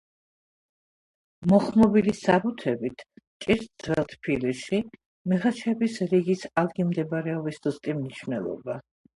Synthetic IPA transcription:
mɔχmɔbilisabut̪ʰɛbit̪ʰt͡ʃʼiɾt̪̚d̪z̥vɛlˠt̪ʰpʰiliʃi | mɛʁat͡ʃʰɛbisɾiɡisalˠɡimd̪ɛbɾɛɔbisd̪ust̪ʼimniʃwnɛ̰lˠɔ̰ba

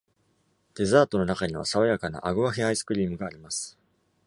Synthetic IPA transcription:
d̪̥e̞zaːt̪o̞no̞nakaɲ̟iβ̞a̰saβajakana̰ʔaɡɯ̟βaçiaisɨ̥kɯ̟ɾʲiːmɯ̟ɡaːɾʲimasɨ̥

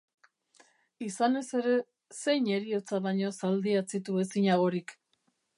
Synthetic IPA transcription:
isane̞se̞ɾe̞ | se̞jɲe̞ɾio̞t͡saβaɲo̞sald̪iat͡sit̪ue̞siɲaɣ̞o̞ɾik

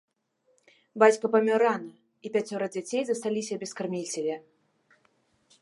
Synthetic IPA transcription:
bat͡sʲkɐpɐmʲɔɾanɐ | ipʲat͡sʲɔɾɐd͡zʲat͡sʲejzɐst̪alʲisʲɐbʲɛskarmʲilʲt͡sʲɛvʲɛ

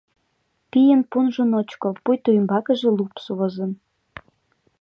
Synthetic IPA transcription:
pijənpunʒŏnot͡ɕkopujt̪ujmbɑkə̆ʒĕlupsuβozə̆n

